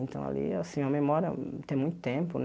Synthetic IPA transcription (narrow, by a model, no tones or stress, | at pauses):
ẽnt̪ɐ̰̃w̃a̰lḭasĩmɐmemɔɾjɐ̰t̪ẽj̃mũj̃t̪ʊ̥t̪ẽpʊn